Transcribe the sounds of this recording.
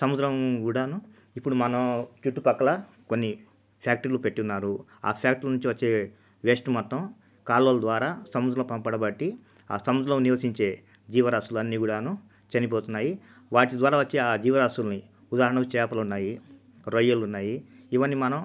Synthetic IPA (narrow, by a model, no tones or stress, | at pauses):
sɐmud̪ɾɐmɡuːɽaːnu | ipːuɽumɐnɐmt͡ʃuʈːupɐkːɐlɐ | ko̞nːi | pʰjaːk̚ʈɐɾlupe̞ʈːiunːaːɾu | a̰ːpʰjaːk̚ʈɐɾnuɲt͡ʃiʋɐt͡ʃːe̞ː | ʋeːʂʈumɔt̪ɾɐm | kaːlolɐd̪ʋaːɾaːsɐmud̪ɾɐmpɐmpɐɽɐbɐʈːi | a̰ːsɐmud̪ɾɐmniʋɐsiɲt͡ʃe̞ː | d͡ʒiːʋɐɾaːsulɐnːiːɡuːɽaːnu | t͡ʃɐnipoːt̪unːaːji | ʋaːʈid̪ʋaːɾaːʋɐt͡ʃːeːaːd͡ʒiːʋɐɾaːsulni | ud̪aːɾɐɳɐkut͡ʃɛːpɐlɐunːaːji | ɾojɐlunːaːji | iʋɐnːimɐnɐm